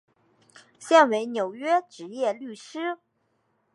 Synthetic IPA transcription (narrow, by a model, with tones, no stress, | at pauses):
ɕjɛ˥˩nwe˧˥ɪnjo˨˩ʊɥɛ˥ʈ͡ʂɻ̩˧˥jɛ˥˧ly˥˩ʂɻ̩˥